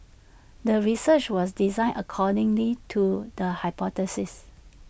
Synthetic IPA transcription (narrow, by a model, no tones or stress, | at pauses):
dəɹisət͡ʃwɔsdizãɪ̃nəkʰɔdɪ̃ŋlitʰudəhaɪpɔtɛsɪs